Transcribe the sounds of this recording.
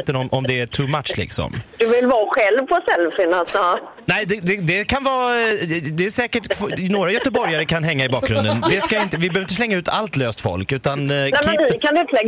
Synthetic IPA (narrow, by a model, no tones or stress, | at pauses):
t̪ːənɔmʔɔmd̪ɛæʈʰumat̪ʃlɪ̰ksɔ̰md̪̥ɵvɪlvɑːɧɛlvpʰɔsɛlfɪnas | nɛɪd̪ɛd̪ɛd̪ɛkʰanvɑː | d̪ɛæʂɛːkəʈkʰvnoːɾajœt̪əbɔɾjaɾəkʰanɦɛŋːaɪbɑːk̚ɡɾɵ̰nd̪ənvɪskaɪnt̪əvɪbøːvɾɪt̪əslɛŋːaʉ̟ːt̪ʰa̰lt̪løːst̪fɔ̰lkʉ̟ːt̪annɛkmaɛɪɪkʰant̪əlɛɡ